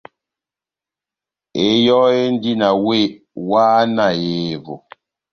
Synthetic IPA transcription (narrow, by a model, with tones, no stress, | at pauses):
e˨˦jɔ˦e˦n̩˦di˦na˨we˦ | wa˦na˨je˨vo˨